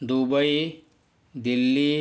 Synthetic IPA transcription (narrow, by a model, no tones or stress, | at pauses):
d̪ubɐj | d̪ilːi